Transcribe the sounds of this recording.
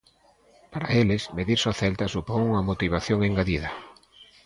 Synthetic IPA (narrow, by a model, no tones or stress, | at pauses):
paɾaelɪsmeðiɾsoθɛlt̪ɐsupoŋuŋɐmot̪iβ̞aθjoŋeŋɡaðiðɐ